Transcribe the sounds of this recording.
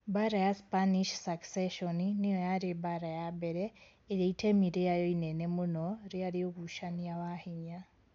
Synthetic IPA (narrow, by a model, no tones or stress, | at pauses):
baɾajaspaniʃsakseʃoninijojaɾebaɾajabeɾeː | jeitʰemiɾejajoinenemunoɾiaɾioɣuʃaniawahiɲa